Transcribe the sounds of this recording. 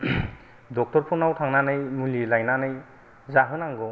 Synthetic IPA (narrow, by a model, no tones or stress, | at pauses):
dɔk̚tɔɾpʰɔnawtʰaŋnanɯjmulilajnanɯj | zaɦɯnaŋɡɔ